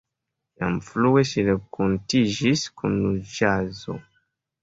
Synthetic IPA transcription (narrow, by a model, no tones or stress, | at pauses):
ja̰mflueʃiɾekʰontid͡ʒiskunːud͡ʒazo̰